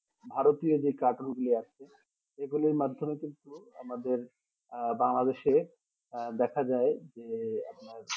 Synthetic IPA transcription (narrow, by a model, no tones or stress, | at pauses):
bʱaɾot̪iod͡ʑekaʈonɡuliat͡ɕʰe | eɡuliɾmad̪ʱːomekint̪ua̰mad̪eɾ | baŋlad̪eʃe | d̪ɛkʰad͡ʑaed͡ʑea̰pnaɾ